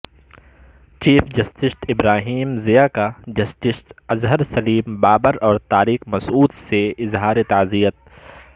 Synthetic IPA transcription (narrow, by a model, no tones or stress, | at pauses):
t͡ʃiːfd͡ʒɐsʈɪsʈɪbɾaːɦiːmzijakad͡ʒɐsʈɪsʈɐzɦəɾsɐliːmbaːbəɾɔːɾt̪aːɾiːxmɐsuːd̪seɪzɦaːɾet̪aːzijət̪̚